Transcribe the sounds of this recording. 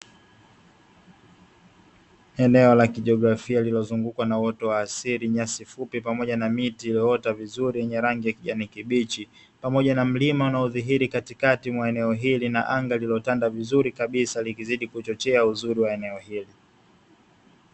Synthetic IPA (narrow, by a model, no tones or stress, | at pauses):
ɛnɛɔlakiʄiɔɡɾafialilɔzuŋɡukwanawɔtɔwaːsiɾiɲasifupipamɔʄanamitiːlɔɔtavizuɾijɛɲɛɾaŋɡijakiʄanikiɓit͡ʃi | pamɔʄanam̩limaunauðiɦiɾikatikatimwaɛnɛɔɦilinaʔaŋɡalilɔtandavizuɾikaɓisalikiziɗikut͡ʃɔt͡ʃɛauzuɾiwaɛnɛɔhili